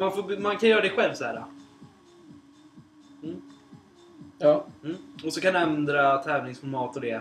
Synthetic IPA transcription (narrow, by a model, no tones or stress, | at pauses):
manfoːbmankʰanjœːɾad̪ɛɧɛlvsɔhæːɾa̰ | m̩ː | ɑːmm̩ːɔsɔkanɛnd̪ɾat̪ʰɛːvnɪŋsfɔɾmɑːt̪ɔd̪ɛ